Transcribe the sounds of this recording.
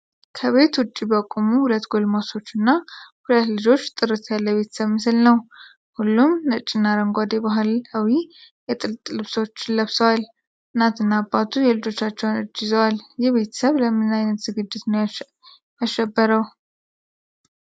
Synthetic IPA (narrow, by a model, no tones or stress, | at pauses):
kʰəβe̞t̪wʊt͡ʃʼːibəkʼumuhulət̪ɡo̞lmoso̞t͡ʃːɨnːahulət̪lɨd͡ʒo̞t͡ʃːt̪ʼɨɾɨt̪ʰjalːəβe̞t̪ʰə̥səβmɨsɨlnəw | hulːumnət͡ʃʼːɪnːaɾəŋɡʷad̪ebaɦulhəwi | jɛt̪ʼɨlt̪ʼlɨβswt͡ʃːɪləβsəwal | ɨnːat̪ɨnːabːat̪ʰujɛlɨd͡ʒo̞t͡ʃːat͡ʃːɛwnɨd͡ʒːɪzəwaljɛβe̞t̪ʰə̥səβləmɨnajnət̪z̥ɨɡɨd͡ʒːɪt̪nə | jaʃːɛbːəɾəw